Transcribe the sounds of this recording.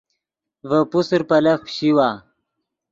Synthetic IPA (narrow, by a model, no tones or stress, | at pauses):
vəpusɾpɐlɐxɕiwaː